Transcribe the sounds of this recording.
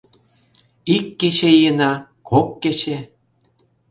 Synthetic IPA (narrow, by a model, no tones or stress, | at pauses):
ikːet͡ɕejənɑ | kʰokːet͡ɕe